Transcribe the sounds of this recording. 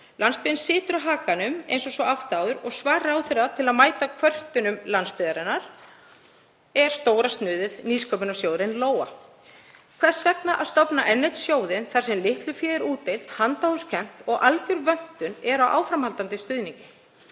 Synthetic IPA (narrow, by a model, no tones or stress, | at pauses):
lanspɪðɪnsɪːt̪ʏɾaɦaːkanʏmḛjnsɔsvɔaft̪aːwðʏɾɔɣsvaːɾaːwθɪɾat̪ʰɪlaðmaːjt̪akʰvœr̥t̪ʏnʏmlanspɪðaɾɪnːaɾ̥ | ɛɾ̥st̪oːwɾast̪nʏːðɪðniskʰœpʏnasjoːwðɾɪnloːwa | kʰv̥ɛ̥svɛknaʔa̰ðst̪ɔpnaʔɛnːejt̪sjoːwðɪnθar̥sɛmlɪht̪lʏfjɛːðɾuːt̪ːejlt̪hant̪awhʏscʰɛn̥t̪ɔɣʔalcʏɾvœn̥t̪ʏnɛɾawʔa̰ːwfɾamhalt̪ant̪ɪst̪ʏðniɲcɪ̥